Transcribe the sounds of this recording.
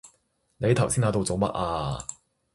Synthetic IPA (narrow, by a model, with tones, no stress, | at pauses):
ne˨˧jt̪ʰɐ˨˩wsiː˥naː˨˧t̪o˧wt͡so˨˧wmɐ̰˥t̚ʔaː˧